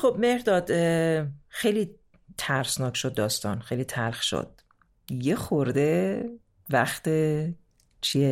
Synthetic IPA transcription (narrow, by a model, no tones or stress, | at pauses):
χob̚mehɾd̪ɒːd̪ | xejliː | t̪ʰæɾsnɒːkʰʃod̪̚ːɒːst̪ɒ̰ːnxejliːt̪ʰælxʃo̰d̪̥̚ | jexoɾd̪e | væxt̪e | t͡ʃʰie